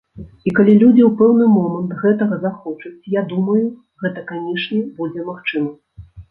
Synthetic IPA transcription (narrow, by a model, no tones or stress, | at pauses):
ikalʲilʲud͡zʲiwpɛwnɨmɔmɐnt̪ɣɛt̪ɐɣɐzaxɔt͡ʂɐt͡sʲjad̪umɐju | ɣɛt̪ɐkanʲɛʂnʲɛbud͡zʲɛmaxt͡ʂɨmɐ